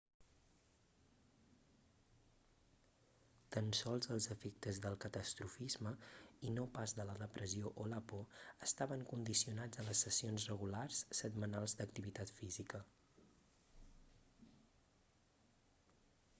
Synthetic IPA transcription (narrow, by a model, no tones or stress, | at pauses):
t̪ənsɔlˠzəlˠzəfek̚t̪əzðəlˠkət̪əst̪ɾufizməinopazðələðəpɾəzioʔoləpoəst̪aβəŋkund̪isiunad͡zənləsːəsionzrəɣularsːəd̪mənalˠzd̪ək̚t̪iβit̪at̪fizikə